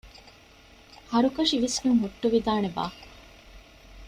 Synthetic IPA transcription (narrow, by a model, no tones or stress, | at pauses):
hɐɾukɐʂiʋisɡuŋɦuʈːuʋid̪aːneba̰ː